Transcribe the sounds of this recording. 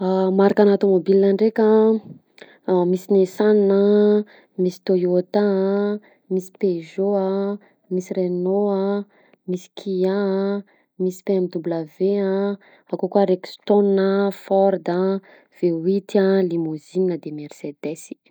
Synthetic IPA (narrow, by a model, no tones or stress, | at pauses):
amaɾakanat̪omobilinaɳɖ͡ʐekʲa | misinesannə | misi̥t̪ojot̪a | misi̥peʒoa | misirenoa | misi̥kʰia | misi̥peamid̪ubləveã | akokuaɾekst̪onnəfɔɾd̪ə | v̥ewit̪ialimozininəd̪emersed̪esi̥